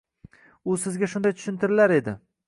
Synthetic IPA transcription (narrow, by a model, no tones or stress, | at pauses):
ʊsɪzɡʲaʃʊnd̪ajt̪ʰʊ̥ʃɪnt̪ʰɪɾɪlaɾe̞d̪ɪ̰